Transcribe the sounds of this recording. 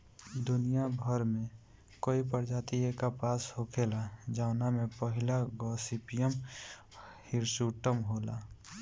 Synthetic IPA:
d̪ʊnijabʱəɾmẽ | koːipəɾd͡ʒaːt̪iekapaːshokʰeːlad͡ʒaʊnamẽpəɦɪlaɡɔːsipijəm | hɪɾsuʈəmɦoːla̰ː

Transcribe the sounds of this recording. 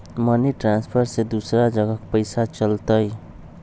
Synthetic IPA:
məniʈɾanspʰəɾsed̪usɾad͡ʒəɡəkpəɪsat͡ʃəlt̪əj

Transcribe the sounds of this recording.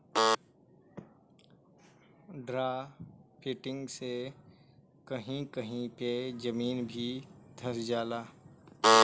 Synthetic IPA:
ɖɾaːpʰɪʈɪ̃ŋɡse | kəɦĩkəɦĩped͡ʒəmiːnbʱid̪ʱɐsd͡ʒaːlaː

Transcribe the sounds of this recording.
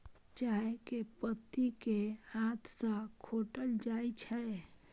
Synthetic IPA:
t͡ʃaːɦekepət̪ːikehãt̪ʰsə̃kʰoːʈəld͡ʒaːit͡ʃʰɛ

